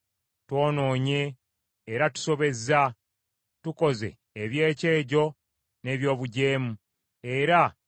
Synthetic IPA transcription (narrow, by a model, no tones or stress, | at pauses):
two̞ːno̞ːɲe̞ː | ɾatu̥so̞βe̞za | tuko̞ze̞̰ːβje̞ːceːɟo̞ | ne̞ːβjo̞ːβuɟe̞ːmu | e̞ɾa